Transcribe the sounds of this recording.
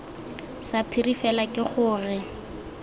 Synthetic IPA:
sapʰirifɛlakʼɪχʊːrɪ

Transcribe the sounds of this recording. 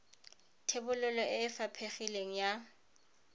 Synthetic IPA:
tʰebʊlʊlɔʔɪːfapʰeχileŋ̩ja

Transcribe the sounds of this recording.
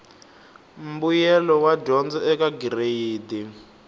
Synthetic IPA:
m̩bujɛlɔwaɟɔnd͡zɔɛkaɡireiːdi

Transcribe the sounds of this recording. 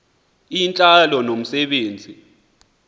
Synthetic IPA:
int͡ɬʼalɔnom̩sɛɓeːnd͡zʱi

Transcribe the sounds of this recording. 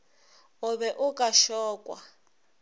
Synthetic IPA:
uβɛʔukʼaʃɔːkʼwa

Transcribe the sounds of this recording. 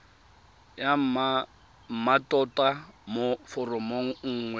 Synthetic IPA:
ja | matʼɔtʼamofɔrɔmoŋ̩ŋ̩ːŋwɛ

